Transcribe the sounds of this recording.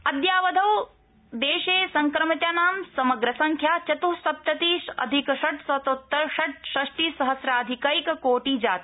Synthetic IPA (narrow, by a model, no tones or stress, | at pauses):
ɐd̪jaːʋɐd̪ʱɐw | d̪eːʃeːsɐŋkɾɐmɐt̪jaːnaːmsɐmɐɡɾɐsɐ̃ŋkʰjaːt͡ʃɐt̪usɐp̚t̪ɐt̪iːʃɐ̰d̪ʱikʃɐʈsɐt̪ot̪ːɐɾʃɐʈ̚ʃɾɐʂʈiːsɐɦɐsɾaːd̪ʱikaɾikɐkoːʈiːd͡ʒaːt̪i̥